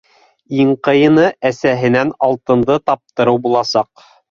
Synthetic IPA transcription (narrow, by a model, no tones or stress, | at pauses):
iɴqɤ̆jɤ̆nɤʔæsæɦɘ̆nænɑlˠt̪ɤ̆nd̪ɤt̪ɑp̚t̪ɤ̆ɾɤwbulˠɑsɑq